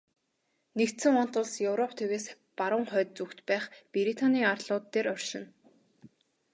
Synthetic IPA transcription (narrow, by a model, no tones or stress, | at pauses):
nekt̪sɘ̆ŋɔn̥t̪ʊ̆ɮsjɵwɾɔp̚ʰt̪ʰeɣeːs | paɾʊ̆ːŋχœːt̪̚t͡sukt̪pæːχpeɾit̪ʰaniːarɮʊːt̪ːeːɾɔr̥ʃɪ̆n